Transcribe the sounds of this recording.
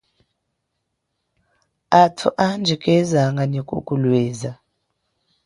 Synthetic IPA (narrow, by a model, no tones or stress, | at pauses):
atʰṵʔand͡ʒʱikʼɛzaŋɡanikʼṵkʼulwɛːza